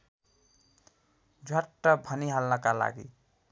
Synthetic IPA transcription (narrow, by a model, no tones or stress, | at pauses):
d͡ʒʱaʈːʌbʱəniɦalnʌkala̰ɡḭ